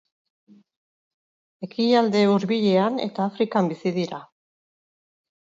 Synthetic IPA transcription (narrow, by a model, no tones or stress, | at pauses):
e̞kiald̪e̞uɾβiʎe̞ane̞̰t̪aːfɾikambisiðiɾa